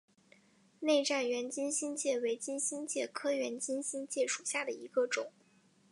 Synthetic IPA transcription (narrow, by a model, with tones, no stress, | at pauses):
ne˥˧ɪʈ͡ʂa˥˩nɥɛ˧˥nt͡ɕi˥nɕi˥nt͡ɕjɛ˥˩we˧˥ɪt͡ɕi˥nɕi˥nt͡ɕjɛ˥˩kʰɤ˥ɥɛ˧˥nt͡ɕi˥nɕi˥nt͡ɕjɛ˥˩ʂu̥˨˩ɕja˥˩d̪ə˩i˧˥ɡ̥ə˧ʈ͡ʂʊ̰˨˩˦ŋ